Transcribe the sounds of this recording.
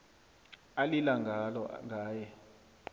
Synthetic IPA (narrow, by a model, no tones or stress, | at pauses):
alilaŋɡʱalɔŋɡʱaːjɛ